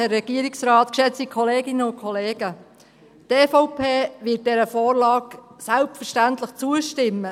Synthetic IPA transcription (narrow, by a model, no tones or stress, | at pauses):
ɛrːɛɡ̥iːəɾɪksɾaːt̪kʃɛt͡stikʰɔleːɡɪnəʊnkʰɔleːɡ̥ə | tefɔʊpʰeːʋɪt̚d̥ɛɾəfoːɾlɑːksælp̚tfəʃtæntləχt͡suəʃtɪmːə